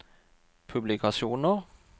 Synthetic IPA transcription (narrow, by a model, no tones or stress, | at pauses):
pʰʉblɪkʰɑsuːnə